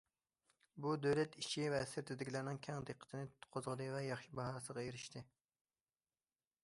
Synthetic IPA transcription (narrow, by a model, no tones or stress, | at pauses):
bud̪øwlɛt̪iʃʰivɛsɪɾt̪ʰɪd̪ɪkʲilæɾnɪŋkʲʰɛŋd̪eqʰə̥t̪ʰɪnɪt̪ʰt̪qʰozʁəd̪ɨvɛjɑχʃibɑɦɑːsəʁɑjeɾɪʃt̪ʰɪ